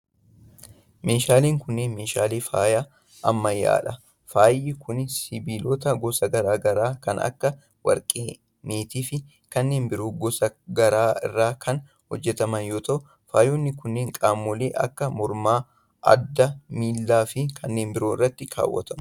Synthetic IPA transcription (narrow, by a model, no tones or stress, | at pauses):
meːʃaːleːŋkʊnːeːnmeːʃaːleːfaːjaː | ʔɐmːɐjːa̰ːᶑɐ | faːjɪkʊnsɪbiːlot̪ɐɡɔsɐɡɐɾaːɡɐɾaːkɐ̰nɐ̰kːɐ | wɐ̰ɾkʼeː | neːt̪iːfɪ | kɐnːe̞ːnbɪɾuːɡɔsɐɡɐɾaːɪ̰rːaːkʰɐn | hɔd͡ʒːɛt̪ɐmɐnjoːt̪ɐʔʊ | faːjonːɪkʊnːeːŋkʼaːmːɔleːʔɐ̰kːɐmɔɾmaː | ʔɐ̰d̪ːɐmiːlːaːfɪkʰɐnːe̞ːnbɪɾoːɪ̰rːɐt̪ːɪkʰa̰ːwːɐ̰t̪ɐmɐ